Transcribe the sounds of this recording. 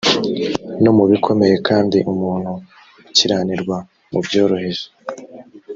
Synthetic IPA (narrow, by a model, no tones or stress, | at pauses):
nomuβikʰo̞me̞je̞kʰaːndiʔumuːn̥hu | uciɾaːniɾɡwa | mubjo̞ːɾo̞he̞zo